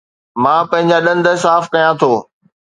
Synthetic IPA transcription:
mãːpɐ̃ɦɪ̃ɲd͡ʑaɗɐ̃nd̪əsaːfkɐjãt̪ʰoː

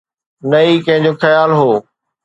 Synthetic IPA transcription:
nɐikɐ̃ɦɪ̃ɲ̆d͡ʑoːxɐjaːlɦoː

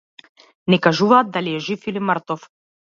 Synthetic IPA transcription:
nɛkaʒuvaːd̪̚d̪aliɛʒifiliməɾt̪ɔf

